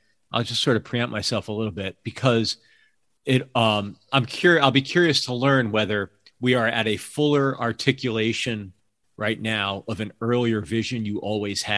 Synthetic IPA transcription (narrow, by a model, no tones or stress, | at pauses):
aɪlˠd͡ʒʌstsɔɹɾʌpʰɹ̥iɛ̃maɪsɛlˠfəlɪɾl̩ˠbɪt̚b̥ɨkʰʌz | ɪɾʌ̃mãɪ̃mkʰj̥ʊɹaɪlˠbikʰj̥ʊɹiɨstʰəlɜ̃˞nwɛðə˞ | wiə˞ʔɨɾɨfʊlˠə˞ʔɑɹtʰɪkjɨleɪʃɨ̃n | ɹʔaɪtⁿnaʊʔʌvɨ̃nɜ˞lˠiə˞vɪʒɨ̃njɨʔɔlˠwiz̥ɨ